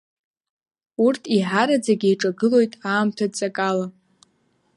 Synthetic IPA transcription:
urtʰiħaɾad͡zaɡʲiiʈ͡ʂʼaɡɨlo̞jtʼaːmtʰadt͡sʼakʼala

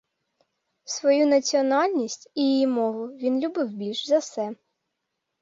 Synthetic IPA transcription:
sʋɔjunɐt͡sʲiɔnɑlʲnʲisʲtʲijijimɔɦʊʋʲinlʲʊbɪwbʲilʲʃzɐsɛ

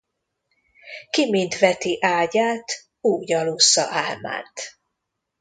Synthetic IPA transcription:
kimint̪vɛt̪iʔaːɟaːt̪ | uːɟɒlusːɒ̰ʔaːlma̰ːnt̪

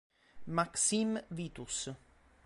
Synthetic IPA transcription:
maksimviːt̪us

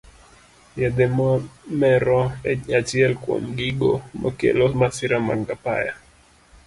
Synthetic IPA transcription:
jad̪ɛmmɛɾɔɛat͡ʃiɛlkwo̰mɡiɡomɔkɛ̰lɔmasiɾama̰ŋɡapa̰ja̰

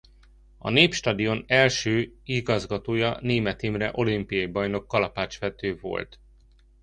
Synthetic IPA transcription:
ɒ̰neːpʃt̪ɒd̪io̞nɛlʃøːiɡɒzɡɒt̪oːjɒneːmɛt̪imrɛ̰ʔo̞limpijɒjibɒjno̞kːɒlɒpaːt͡ʃʋɛt̪øːvo̞̰lt̪

